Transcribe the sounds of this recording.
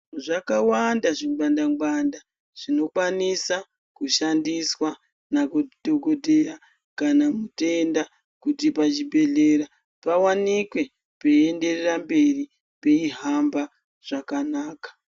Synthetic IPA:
ʐakawandaʐiŋɡ͡bandaŋɡ͡banda | ʐ̥ino̞kwanisa | kuʃandiswa | nakudʱoko̞dʱe̞ja | kanamutenda | kutipat͡ʃibe̞ɮe̞ɾa | pawanikwe̞ | pee̞nde̞rerambe̞ri | peiɦamba | ʐ̥akanaːkḁ

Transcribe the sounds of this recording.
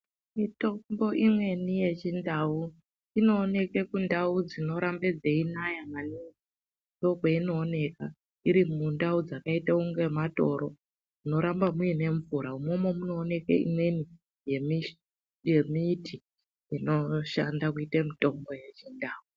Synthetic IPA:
mito̞mbo̞ʔimwe̞nije̞t͡ʃindau | ino̞ːne̞ke̞kundaud͡zino̞ɾambed͡zeinajamanii | to̞keino̞ːne̞ka | iɾimundaud͡zakaitauŋɡe̞mato̞ɾo̞ | muno̞ɾambamuine̞ɱvuɾaumo̞mo̞muno̞ːne̞kḛḭmwe̞ni | jemi | jemitʰi | ino̞ʃandakuitemito̞mbo̞je̞t͡ʃindaːu

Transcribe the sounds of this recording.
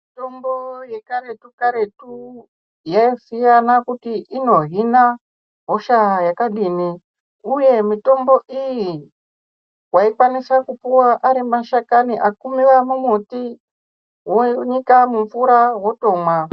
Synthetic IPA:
mitomboje̞kaɾe̞tukaɾe̞tu | jaisijanakutiʔino̞ɦina | ɦoʃajakaɗiːni | uje̞mito̞mbo̞ʔiji | waikwanisakupuwaʔaɾimaʃakaniʔakumiʋamumuti | woɲikamuɱfuɾawo̞to̞mwa

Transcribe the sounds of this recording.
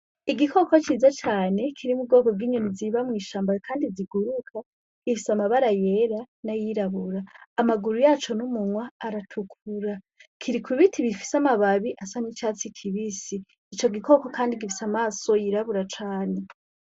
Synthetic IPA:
iɡikʰo̞kot͡ʃiːzat͡ʃaːne̞kʰiɾimub̚ɡo̞ːko̞bɡiːɲoniziβamwiːʃaːmbakʰaːndiziɡuɾukʰa | ɡifisamaβaɾaje̞ɾa | najiɾaβuɾaːmaɡuɾujaːt͡ʃo̞numuŋwaːɾatʰukʰuɾa | kʰiɾikʰuβitʰiβifi̥samaβaβiʔasanit͡ʃaːt͡sikʰiβisi | t͡ʃo̞ɡiko̞ko̞kaːndiɡifi̥samaːso̞jiɾaβuɾat͡ʃaːne̞

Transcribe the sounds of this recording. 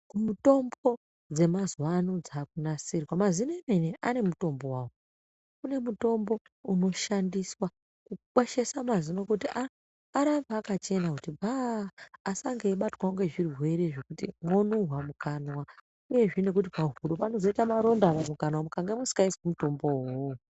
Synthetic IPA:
kumuto̞mbo̞ | d͡ze̞mazwanud͡zak̚unasirwamazinemeneʔane̞muto̞mbo̞waːwo | kune̞muto̞mbo̞ | uno̞ʃandiswa | kukweʃe̞samazino̞kutiaː | ɾabaːkat͡ʃe̞nakutibʱaː | saŋɡeiɓatwaoŋɡe̞ʐirwe̞ɾe̞ʐe̞kutimwo̞nuwamukanwa | uje̞ʐine̞k̬ut̬ipaɦuɾopano̞zo̞itamaɾo̞ndaʋamukanawamukaŋɡemusi̥kaiswumuto̞mbo̞woo

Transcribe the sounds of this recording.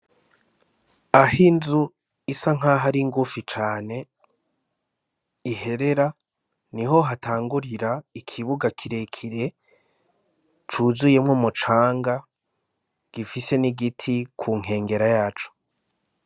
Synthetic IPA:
ahinzu | isaŋ̥aɦaɾiŋɡufit͡ʃaːne̞ | ihe̞ɾe̞ɾa | niɦo̞ɦataːŋɡuɾiɾaikʰiβuɡakʰiɾe̞kʰiɾe̞ | t͡ʃuzuje̞mŋomut͡ʃaːŋɡa | ɡ̥ifise̞niɡitʰikʰuːŋ̥he̞ːŋɡe̞ɾajaːt͡ʃo̥

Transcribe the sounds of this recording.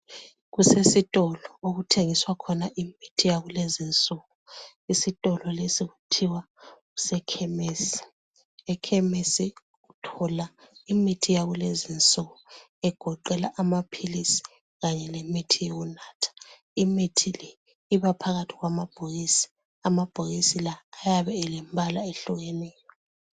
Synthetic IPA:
ɣusesitʼɔlɔoɣutʰeŋiswakʰɔnaʔimitʰijaɣulezint͡sʼɔɣɔ | isitʼɔlɔlesiɣutʰiwa | ɣusɛkʰɛmeːsi̥ | ɛkʰɛmesi | ɣutʰɔlaimitʰijaɣulezint͡sʼɔɣɔ | ɛɡ̥ʱɔǃɛlaʔamapʰilisi̥ | ɣaɲɛlemitʰijoɣunaːtʰḁ | imitʰilɛː | βapʰaɣatʰiɣwamab̥ʱojisi̥ | amab̥ʱojisilaːjaβɛːlɛmbʱalaeɬuɣɛnɛjɔ

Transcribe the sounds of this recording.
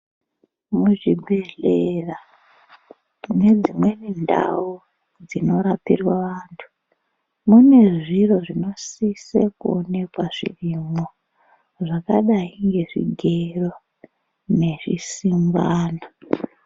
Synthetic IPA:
muʐibʱe̞ɮera | ne̞d͡zimwe̞nenda̰u | d͡zino̞ɾapirwaʋaːntʰu̥ | mune̞ʐiro̞ʐino̞sisekuone̞kwaʐḭrimo | ʐakaɗaiŋɡe̞ʐḭɡʱe̞ro̞ | ne̞ʐḭsimbaːna

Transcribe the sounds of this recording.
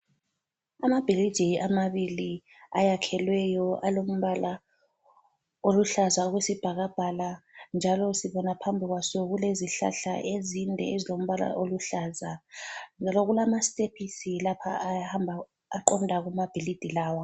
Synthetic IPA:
amab̥ʱili̥d͡ʒ̥ʱejʔamaβili | ajakʰɛlwɛjɔʔalom̩βala | oluɬazauɣwesib̥ʱaɣab̥ʱaland͡ʒʱalɔsiβɔnapʰambʱiɣwasɔɣuleziɬa̰ɬa̰ʔezindʱɛ̰ezilom̩βala̰ʔoluɬazand͡ʒʱalɔɣulamasepʰisilapʰa̰ahambʱa | aǃɔndʱaɣumab̥ʱilid̥ʱilaːwa

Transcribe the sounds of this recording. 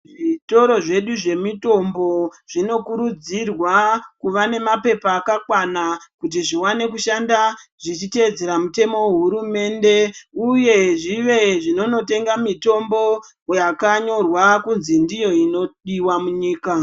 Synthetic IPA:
ʐito̞ɾo̞ʐe̞ɗuʐe̞mito̞mbo̞ʐ̥ino̞kuɾud͡zirwakuʋane̞mape̞paːkakwanakut̬iʐiwane̞kuʃandaʐ̥it͡ʃite̞ed͡ze̞ɾamute̞mo̞weɦuɾume̞ːnde̞uje̞ʐiʋe̞ʐino̞no̞te̞ŋɡamito̞mbo̞ | jakaɲo̞rwakunzindijo̞ino̞ɗiwamuɲiːka

